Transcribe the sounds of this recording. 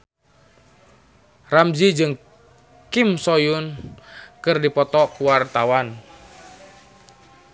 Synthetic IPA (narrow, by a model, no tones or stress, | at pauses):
ramd͡ʒid͡ʒɨŋ | kimsɔjʊn | kɨrdipɔt̪ɔkuwart̪awan